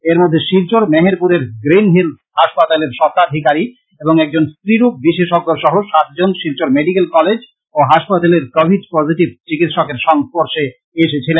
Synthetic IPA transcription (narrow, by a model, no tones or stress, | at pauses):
eɾmod̪ʱːeʃiɾt͡ɕoɾmeɦeɾpuɾeɾɡɾinɦil | haʃpat̪aleɾʃɔɾkaɾɦikaɾi | eboŋɛk̚d͡ʑonst̪ɾiɾuk̚biʃeʃoɡːoɾʃɔɦoʃat̪̚d͡ʑonʃiɾt͡ɕoɾmeɖikelkɔled͡ʑ | oɦaʃpat̪aleɾkɔbʱiɖpɔziʈib̚t͡ɕikit̪ʃɔkeɾʃɔŋpoɾʃe | eʃet͡ɕʰilen